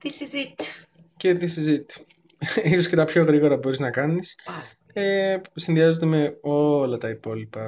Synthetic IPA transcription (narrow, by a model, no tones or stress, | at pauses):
t̪isizit̪s | ce̞ðisizit̪ | iso̞sce̞t̪ɐpço̞ɣɾiɣo̞ɾɐbo̞ɾiznɐkɐnis | esinðiɐzod̪eme̞o̞lɐt̪ɐipo̞lipɐ